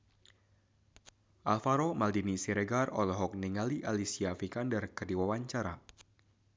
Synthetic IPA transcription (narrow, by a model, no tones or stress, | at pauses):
ʔalfaɾomaldinisiɾɛɡarɔ̰lɔɦɔk̚niŋaliʔalisiafikandarkərdiwawaɲt͡ʃaɾa